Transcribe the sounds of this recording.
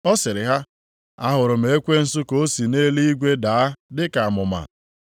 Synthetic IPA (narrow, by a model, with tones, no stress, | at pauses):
ɔ˦sɪ˨ɾɪ˨ɦa˦ | a˦ɦʊ˨ɾʊ˨m̩˦e˨e˦kʷe˦n̩˨sʊ˦ko˨o˦si˨ne˦li˦i˦ɡʷe˦daː˨a˦dɪ˦ka˨a˨mʊ˨ma̰˨